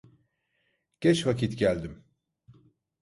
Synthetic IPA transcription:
ɟ̥ɛt͡ʃvacʰit̪ɟælʲd̪im

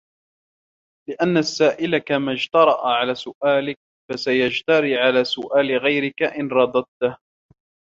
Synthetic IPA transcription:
lɪʔanːasːaːʔɪlakamaːd͡ʒt̪ɑɾˤɑʔaʕalaːsʊʔaːlɪk̚ | fasajad͡ʒt̪ɑɾiːʕalaːsʊʔaːlɪɣajɾɪkaʔɪnɾˤɑd̪ˤɑd̪̚t̪ah

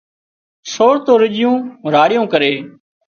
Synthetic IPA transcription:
soːɽt̪oːɾɪʄɪjũːɾaːɽɪjõːkəɾeː

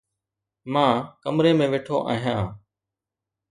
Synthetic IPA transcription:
mãːkəmɾeːmẽːʋeːʈʰoːʔaːɦɪjãː

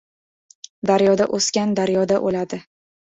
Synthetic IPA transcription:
d̪aɾjɒd̪aʔoskʲand̪aɾjɒd̪aʔolad̪ɪ

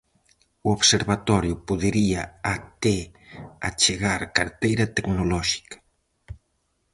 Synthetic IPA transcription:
uoβseɾβat̪ɔɾjʊpuðeɾiaat̪ea̰t͡ʃeɣaɾkaɾt̪ejɾɐt̪eknolɔʃi̥kɐ̥

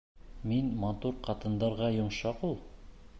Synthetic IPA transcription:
minmɑt̪uɾqɑt̪ɤ̆nd̪ɑɾʁɑjŏɴʃɑqulˠ

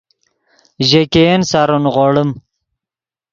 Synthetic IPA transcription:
ʑekensaːɾunʁoɽəm

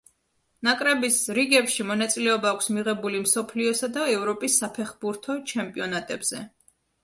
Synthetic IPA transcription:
nakʼɾɛbisɾiɡɛpʃimɔnat̪sʼilɛɔbaːkʰʷsmiʁɛbulimsɔpʰliɔsad̪aɛvɾɔpʼisːapʰɛχbuɾt̪ʰɔt͡ʃʰɛmpʼiɔnat̪ʼɛbz̥ɛ

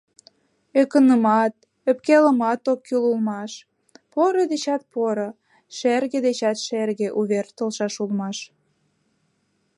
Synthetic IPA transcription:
økənəmɑt̪̚ | øpkelə̆mɑt̪okːylulmɑʃ | poɾod̪et͡ɕɑt̪̚poɾo | ʃerɣed̪et͡ɕɑt̪ʃerɣeʔuβert̪əlʃɑʃulmɑʃ

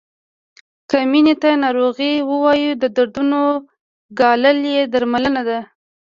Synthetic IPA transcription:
kəminet̪anɑɾoɣiwəwɑjud̪əd̪aɾd̪uno | ɡɑləljed̪aɾmalənad̪a

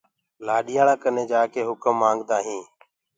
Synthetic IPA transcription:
laːɗɪjaːɽãːkəneːd͡ʒaːkeːɦʊkəmːãːŋɡd̪aːɦĩː

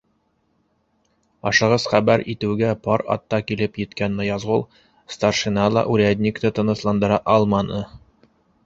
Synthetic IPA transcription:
ɑʃɤ̆ʁɤz̥χæbæɾit̪ɘ̆wɡæpɑɾɑ̰t̪ːɑkilɘpjɘ̆t̪kænmɤjɑzʁulˠ | st̪arʃinɑlˠɑ̰ʔʉɾæd̪ʲnʲikt̪ɤt̪ɤ̆nɤ̆slˠɑnd̪ɤ̆ɾɑʔɑlˠmɑnɤ

